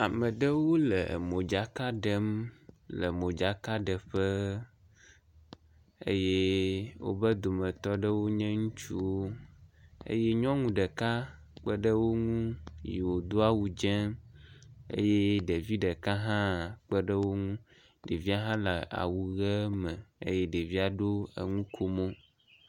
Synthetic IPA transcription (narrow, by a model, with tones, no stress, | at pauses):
a˨mə̃˨ɖə˦wo˦lə̰˨mõ˨d͡ʒa˨ka˦ɖə˦mlə˨mõ˨d͡ʒa˨ka˦ɖə˨ɸə˦ | ḛ˦je˦wo̰˦bə˦d̪o˨mə̃˨t̪ɔ˦ɖə˦wo˦ɲɛ̃˦ŋũ˦t͡ʃṵ˦wo˦ | ḛ˦je˦ɲɔ̃˦ŋũ˨ɖə˨ka˦ | k͡pə˦ɖə˦wo˦ŋũ˦ji˨wo˨d̪o˦a˦wu˨d͡ʒɛ˦ | ḛ˦je˦ɖe˨vi˦ɖə˨ka˦ɦã˦k͡pə˦ɖə˦wo˦ŋũ˦ | ɖe˨vi˦a˦ɦã˦lə˨a̰˨wu˨ɣɛ˦mɛ̃˨ḛ˦je˦ɖe˨vi˦a˨ɖo˦ə̰˨ŋũ˦kʰo˦mõ˦